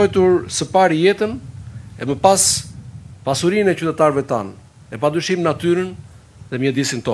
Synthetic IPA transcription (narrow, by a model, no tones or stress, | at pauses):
ɔjt̪uɾsəpaɾjɛt̪ənɛməpas | pasuɾinɛt͡ɕyt̪ɛt̪aɾvɛt̪a̰n | ɛp̬ad̪ɾyʃimnat̪yɾən | ðɛmɲɛd̪isint̪ɔ